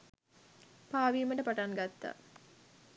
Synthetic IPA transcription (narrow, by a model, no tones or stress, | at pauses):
paːʋiːməʈəpaʈaŋɡat̪ːa̰